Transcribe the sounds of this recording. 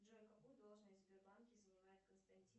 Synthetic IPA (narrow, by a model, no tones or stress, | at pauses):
d͡ʒɛkɐpud̪olˠʐnəjʲzʲbʲɪrbankʲɪzənʲɪmajɪt̪̚kənst̪ɐnʲtʲi